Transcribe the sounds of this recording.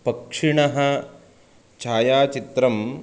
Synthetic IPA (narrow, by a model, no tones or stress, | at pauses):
pɐkʂiɳɐɦɐ | t͡ʃʰaːjaːt͡ʃit̪ɾɐm